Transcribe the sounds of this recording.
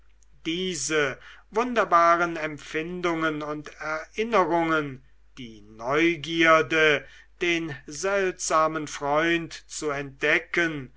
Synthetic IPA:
d̥iːzəvʊndɐbaːʁənɛmfɪndʊŋənʊntɛɐʔɪnəʁʊŋən | d̥iːnɔʏɡiːɐdə | d̥eːnzɛltz̥aːmənfʁ̥ɔʏntt͡suɛnt̚d̥ɛkən

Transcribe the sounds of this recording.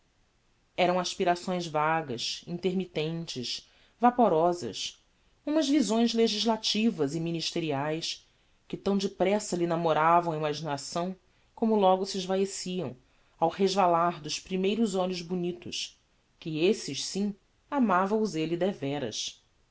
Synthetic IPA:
ɛɾɐ̃w̃aʃpiɾasõj̃zvaɡɐ̰ʃĩnt̪eɾmit̪ẽnt͡ʃɪʃ | vapoɾɔzɐ̰ʃ | ũmɐzvizõj̃zleʒiʒlat͡ʃivɐzɪminiʃt̪eɾiajs | kɪt̪ɐ̃w̃d͡ʒɪpɾɛsɐlinamoɾavɐ̃w̃ɐimaʒinasɐ̃w̃ | kõmʊlɔɡʊsɪɪʒvaesiɐ̰̃w̃ | awheʒvalaɾd̪ʊʃpɾimejɾʊzɔlʊzbunit̪ʊʃ | kɪesɪʃsĩ | amavɐ̃w̃ʊzelɪd̪ɛvɛɾɐ̰s

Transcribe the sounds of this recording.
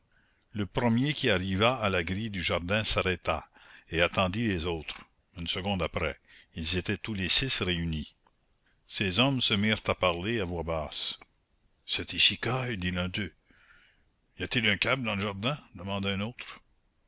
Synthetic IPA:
ləpɾəmjekʲiaʁivaːlaɡɾid̪yʒaʁd̪ɛ̃saɾɛt̪a̰eat̪ɑ̃d̪ilezoːt̪ɾ | ynsəɡɔ̃d̪apɾɛ̰ilzet̪ɛt̪ulesɪsreyni | sezɔmsəmiːʁt̪apaʁleavwabaːs | sɛt̪isikajd̪ilɛ̃d̪ø | ijat̪ilœ̃kab̚d̪ɑ̃ləʒaʁd̪ɛ̃d̪əmɑ̃d̪aɛ̃ːnoːt̪ɾ

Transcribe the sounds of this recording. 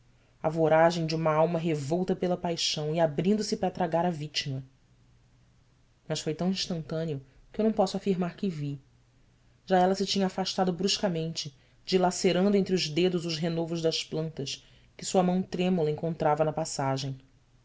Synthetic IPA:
ɐvoɾaʒẽj̃d͡ʒɪũmɐawmɐɦevɔwt̪ɐpelɐpajʃɐ̃w̃ɪabɾĩnd̪ʊsɪpɾɐt̪ɾaɡaɾɐvit͡ʃimɐ | mɐʃfojt̪ɐ̃w̃ĩʃt̪ɐ̃nt̪ɐ̃niʊ | kɪewnɐ̃w̃pɔsʊafiɾmaɾkɪvi | ʒ̥aɛlɐsɪt͡ʃĩɲɐːfaʃt̪ad̪ʊbɾuʃkɐmẽnt͡ʃɪ | d͡ʒilaseɾɐ̃nd̪ʊẽnt̪ɾɪʊʒd̪ed̪ʊzʊzɦenovʊʒd̪ɐʃplɐ̃nt̪ɐʃ | kɪsuɐmɐ̃w̃t̪ɾẽmulɐẽŋkõnt̪ɾavɐnɐpasaʒẽj̃

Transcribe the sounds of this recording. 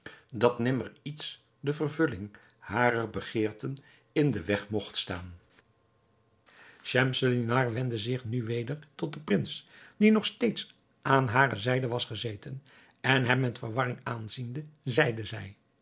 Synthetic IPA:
dɑtnɪmərits | dəvərvɵlɪŋ | haːɾərbəχɪːɹtən | ɪndəʋɛχmɔχtstaːn | ʃɛmsəlinaɹʋɛndəzɪχnyʋejdəɹtɔt̚dəprɪnsd̥inɔχsteːjts | ʔaːnɦaːrə̰zɛjdəʋɑsχəzejtən | ɛnɦɛmːɛtfəɹʋɑrɪŋaːnzindəzɛjdəzɛj

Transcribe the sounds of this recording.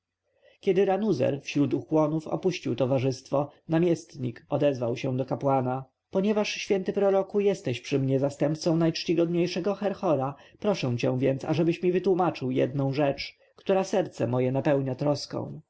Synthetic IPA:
kʲɛd̪ɘɾanuzɛ̰ɾfɕɾut̪uxwɔnufɔ̰puɕt͡ɕiwt̪ɔvaʐɘst̪fɔnamʲjɛst̪ɲikɔd̪ɛzvawɕɛ̃d̪ɔkapwana | pɔɲɛvaʂɕfʲjɛnt̪ɘpɾɔɾɔkujɛst̪ɛɕpʂɘmɲɛzast̪ɛmpt̪sɔ̃w̃najt͡ʂt͡ɕiɡɔd̪ɲejʂɛɡɔxɛɾxɔɾapɾɔʂɛ̃w̃t͡ɕɛw̃vʲjɛnt̪sa̰ʐɛbɘɕmʲivɘt̪wumat͡ʂɘwjɛ̰d̪̚nɔ̃w̃ʐɛt͡ʂ | kt̪uɾasɛɾt̪sɛmɔjɛnapɛwɲat̪ɾɔskɔ̰̃w̃

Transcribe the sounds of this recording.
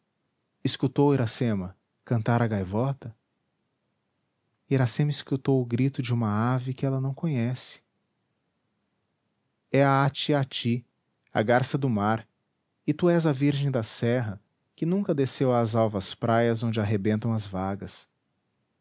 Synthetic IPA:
ɪskut̪owiɾasẽmɐ | kɐ̃nt̪aɾɐɡajvɔt̪ɐ | iɾasẽmɐiskut̪owʊɡɾit̪ʊd͡ʒɪũmɐavɪkɪɛlɐnɐ̃w̃kõɲɛsɪ̥ | ɛɐat͡ʃiat͡ʃi | ɐ̰ɡaɾsɐd̪ʊmaɾ | ɪt̪uɛzɐviɾʒẽj̃d̪ɐsɛɦɐ | kɪnũkɐd̪esewaːzawvɐspɾajɐzõnd͡ʒɪaɦebẽnt̪ɐ̃w̃ɐzvaɡɐs

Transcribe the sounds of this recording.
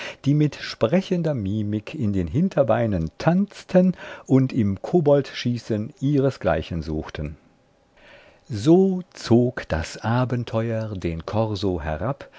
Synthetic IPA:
d̥iːmɪtʃpʁ̥ɛçəndɐmiːmɪkʰɪndeːnɦɪntʰɐbaɪnəntʰant͡stʰənʔʊntɪmkʰoːbɔltʃiːsənʔiːʁəsɡ̥la̰ɪçənzuːxtʰən | zoːt͡soːkd̥a̰sʔaːbəntʰɔʏɐdeːnkʰɔʁzoɦɛ̰ʁap

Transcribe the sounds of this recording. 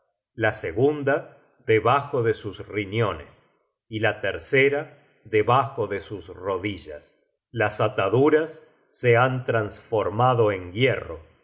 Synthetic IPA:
laseɣund̪a | ðeβaxo̞ðe̞susrinjo̞nes | ilat̪eɾseɾa | ðeβaxo̞ðesusro̞ðiʒa̰s | lasat̪aðuɾasː | eant̪ɾansfo̞ɾmaðo̞eŋɡjero̞̰

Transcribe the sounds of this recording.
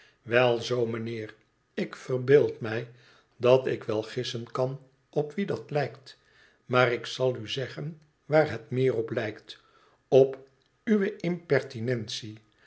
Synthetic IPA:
ʋɛlˠzowməneːr | ɪkfərbɪːlˠtmɛj | dɑtɪkʋɛlˠχɪsənkɑn | ɔpʋidɑtlɛjkt | maːɾɪksɑlˠyzɛχən | ʋaːɹɦɛtmɪːrɔplɛjkt | ɔp | yʋəɪmpɛɹtinɛnsi

